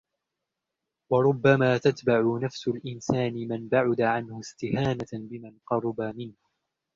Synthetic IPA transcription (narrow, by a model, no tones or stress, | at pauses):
wɑɾˤʊbːamaːt̪at̪baʕʊnafsʊlʔɪnsaːnɪmanbaʕʊd̪aʕanhʊst̪ɪhaːnabɪmanqɑɾˤʊbamɪnh